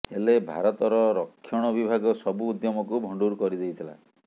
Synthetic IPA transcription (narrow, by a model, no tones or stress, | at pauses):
helebʱaɾɔt̪ɔɾɔɾɔkʰːjɔɽ̃ɔbibʱaɡɔsɔbuːd̪jɔmɔkubʱɔɳɖuɾkɔɾid̪ejt̪ʰila̰